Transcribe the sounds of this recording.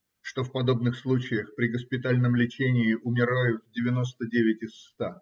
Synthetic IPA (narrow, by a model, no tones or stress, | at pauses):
ʂt̪ofpɐd̪o̞bnɨxslˠut͡ɕɪjəxpɾʲɪɡəspʲɪt̪alʲnəmlʲɪt͡ɕenʲɪːʔʊmʲɪɾajʊt̪dʲɪvʲɪno̞st̪ədʲevʲɪtʲɪsːt̪a